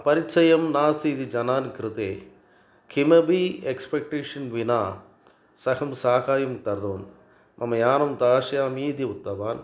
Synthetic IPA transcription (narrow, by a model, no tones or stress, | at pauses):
pɐɾit͡ʃɐjɐmnaːst̪ʰit̪id͡ʒɐnaːnkɾɪt̪ḛː | kʰimɐbiekspek̚ʈeːʂɐnʋinaː | sɐkɐmsaːkaːjɐmt̪ɐɾd̪oːn | mʔɐmːɐjaːnɐmt̪aːʂɐjaːmiːd̪iut̪ːɐʋaːn